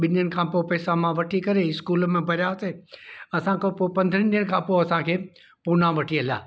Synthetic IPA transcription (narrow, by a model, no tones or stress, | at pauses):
ɓɪnənɪ̆kʰãːpopɛːsãmãʋɐʈʰikɐɾeɪskuːlmẽbʱɐɾjaːseːɐsãkʰopopɐ̃nd̪ʱə̃ñɗiːəñɪ̆kʰãːpoɐsãkʰeː | punãʋɐʈʰiɐlija̰ː